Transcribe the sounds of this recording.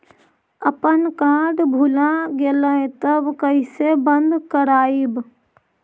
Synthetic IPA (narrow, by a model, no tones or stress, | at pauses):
əpənkaːɖbʱulãɡeːləẽt̪əbkəisebə̃nd̪kəɾaːib